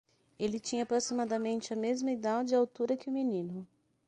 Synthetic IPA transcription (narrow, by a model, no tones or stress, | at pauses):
elɪt͡ʃĩɲɐːpɾosimad̪ɐmẽnt͡ʃɪɐmezmɐid̪ad͡ʒɪawt̪uɾɐkɪʊ̃minĩnʊ